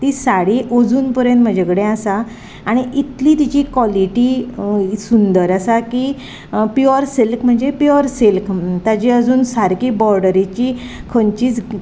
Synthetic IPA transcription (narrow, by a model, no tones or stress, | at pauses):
t̪isaɽiʔod͡zuːnpuɾẽnm̤əd͡ʑʱekɽẽasaː | ɽ̃iʔit̪lit̪it͡ɕikʋɔliʈi | sund̪əɾasaki | pjɔɾselkm̤əɳd͡ʑepjɔɾselkt̪ad͡ʑiəd͡zuːnsaɾkiːbɔɾɖəɾit͡ɕi | kʰəɲt͡ɕiːt͡s